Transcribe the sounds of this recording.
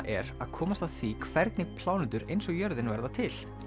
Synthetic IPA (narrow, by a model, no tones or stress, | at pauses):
ʔɛ̰ɾa̰ðkʰɔːmast̪aθikʰvɛɾt̪nɪpʰl̥aːwnʏnt̪ʏɾejnsɔɣjœɾðɪnvɛɾðat̪ʰɪl̥